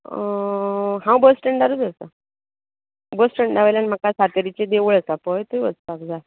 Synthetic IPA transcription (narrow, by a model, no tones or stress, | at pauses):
ɦãwbəsʈəɳɖaɾud͡zəsa | bəsʈəɳɖɖaʋajlanim̤akasat̪əɾit͡ɕed̪eʋəɭəsapɔjt̪uiʋət͡stakd͡za